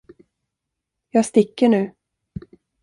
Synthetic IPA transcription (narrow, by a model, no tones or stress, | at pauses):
jɑːɡst̪ɪkːəɳʉ̟ː